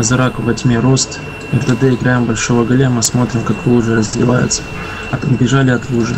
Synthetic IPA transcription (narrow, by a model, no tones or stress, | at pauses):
zɾakvɐtʲmʲeɾost̪ | əvd̪ɐd̪ɨɪɡɾajɪmbɐlʲʂovəɡɐlʲemɨsmo̞t̪ɾʲɪmkaklˠuʐɨrəzʲvʲɪvajʊ̰t̪sə̥ | ɐt̪bʲɪʐalʲɪɐt̪lˠuʐɨ